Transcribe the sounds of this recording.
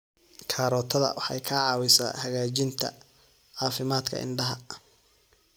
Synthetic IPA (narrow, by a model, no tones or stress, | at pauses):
kʰaːɾɔːt̪ʰɐðɐ̰wʔɑħɑ̰jkʰɐʕɑːwɪsa̰ːhɐɣaːt͡ʃɪnt̪ʰɐ̰ | ʕɑːfɪmaːd̪kʰɐ̰ʔɪ̰nɖɐɦɐ